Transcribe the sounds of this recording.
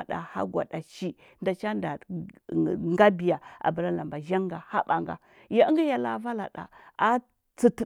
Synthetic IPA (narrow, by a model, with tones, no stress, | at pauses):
a˨ɗa̰˨ha̰˦ɡʷa̰˨ɗa˨ʃi˦ | nda˨t͡ʃa˦nda˨ | ŋɡa˦bi˨ja˨a̰˨ba˨ɾa˦la˨mba˨ʒa˦ŋ˦ɡa˨ha˦ɓa˨ŋɡa̰˨ | ja˨˦ŋɡi˦ja˨la˨va˦la̰˨ɗa̰˨a˦ | t͡si˦t